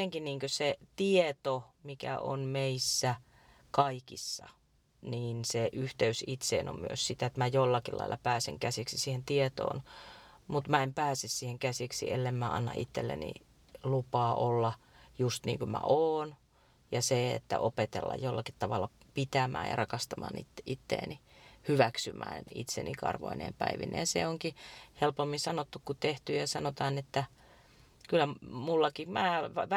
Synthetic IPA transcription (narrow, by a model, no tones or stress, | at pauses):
eŋkiniːŋkøset̪iet̪omikæ̰ʔo̰nmeisːæ | kɑikisːɑ̰ | niːnseʔyht̪eysit̪sḛːno̰mmy̰øssit̪æet̪mæjolːɑkilɑ̰ilːɑpæːseŋkæsiksisiːhent̪iet̪o̰ːn | mut̪mæempæːsessiːheŋkæsiksḭʔelːemmæɑ̰nːɑ̰ʔit̪ːelːḛnḭ | lupɑːʔolːɑ | just̪nḭːŋkumæ̰ʔoːn | jɑseḛt̪ːæ̰ʔopet̪elːɑ̰jjolːɑkit̪t̪ɑʋɑlːɑ | pit̪æmæ̰ːjɑ̰rɑkɑst̪ɑmɑ̰ːnḭt̪ːʔit̪ːḛːnihyʋæksymæ̰ːnḭt̪sḛnikɑ̰rʋo̰inḛːmpæiʋinḛjɑsḛoŋkihelpomːisɑnot̪ːukkut̪eht̪yjjɑsɑnot̪ɑːnet̪ːæ | kylːæmulːɑkimæːʋʋ